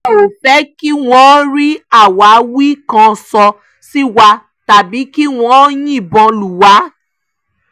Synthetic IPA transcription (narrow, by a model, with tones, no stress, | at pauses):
o˨fɛ˨˦ki˦w̃ɔ̃˦ɾi˦a˦˨wa˨˦wi˦kã˧˨sɔ˧ | si˦wa˧ | ta˨bi˨˦ki˦w̃ɔ̃˧˦jĩ˦i˦˨bɔ̃˧lu˨wa˨˦